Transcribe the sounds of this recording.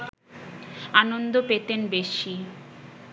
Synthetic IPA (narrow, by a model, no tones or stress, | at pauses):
anond̪opet̪enbeʃi